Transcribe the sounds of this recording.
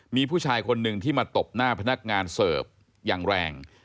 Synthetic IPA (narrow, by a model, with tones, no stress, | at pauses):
miː˧pʰuː˥˩t͡ɕʰaː˧jkʰo˧nːɯ˨˩ŋt̪ʰiː˥˩maː˧t̪o˨˩p̚naː˥˩pʰa˧na˦˥k̚ŋaː˧nsɤː˨˩p̚ | jaː˨˩ŋɾɛː˧ŋ